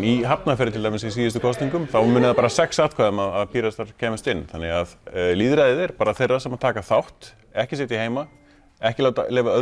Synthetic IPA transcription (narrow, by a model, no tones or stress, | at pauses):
iɦapnafɪːɾɪt̪ʰɪlt̪ʰajmɪs̬ɛs̬iːðʏst̪ʏ̥kʰɔst̪niŋkʏmθawmʏːnɪðapaːɾasɛksaːt̪kʰaːʏmaðaðpʰiːɾast̪aɾ̥cʰɛːmɪst̪ɪnːθanːɪɣaðliːðɾaðɪðɛɾ̥paːɾaθejrːasɛmawt̪ʰaːkaθawht̪ | ɛhcɪs̬eːt̪iheːjma | ɛhcɪlawt̪a̰lɛːvaœ